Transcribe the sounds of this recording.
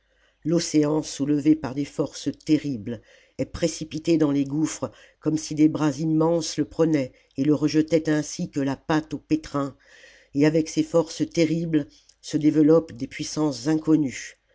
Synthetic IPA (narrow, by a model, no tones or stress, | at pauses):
lɔseɑ̃suləvepaʁd̪efɔʁst̪eʁibl | ɛpχesipit̪ed̪ɑ̃leɡufχə | kɔmsid̪ebʁazimːɑ̃sləpχənɛ | eləʁəʒət̪ɛt̪ɛ̃sikəlapat̪opet̪χɛ̃ | eavɛksefɔʁst̪eʁibl | səd̪evəlɔpd̪epɥisɑ̃szɛ̃kɔny